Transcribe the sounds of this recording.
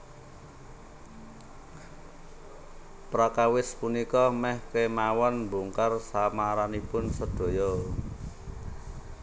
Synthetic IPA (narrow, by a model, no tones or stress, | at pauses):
pɾakawɪspunikɔmɛhkemawɔnmbuŋkarsamaɾanipʊnsəd̪̥o̤jɔ